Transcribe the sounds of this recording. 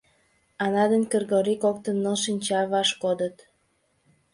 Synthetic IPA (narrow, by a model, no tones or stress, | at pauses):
ɑnɑd̪ənkərɣoɾikokt̪ənːoʃinʲt͡ɕɑβɑʃkod̪ət̪